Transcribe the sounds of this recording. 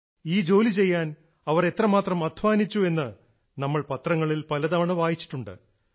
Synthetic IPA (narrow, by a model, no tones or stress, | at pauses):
iːd͡ʑo̞ːlit͡ɕe̞jːaːn | ɐʋɐre̞t̪rɐmaːt̪rɐmɐd̪ʱʋaːnit͡ɕːue̞nːɨ | nɐmːɐɭpɐt̪rɐŋːɐɭilpɐlɐd̪ɐmɐɳɐʋaːjit͡ɕːi̥ʈːuɳɖɨ̰